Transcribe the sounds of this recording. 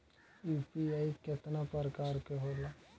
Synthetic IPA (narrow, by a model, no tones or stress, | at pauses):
upiaikɪt̪napəɾkaːɾkeɦoːla